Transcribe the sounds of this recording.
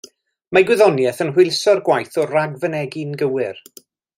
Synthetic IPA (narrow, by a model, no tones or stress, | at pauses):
maɡwɪðɔnjɛθənhwɪlˠsɔrɡwajθɔraɡvənɛɡɪnɡəwɪr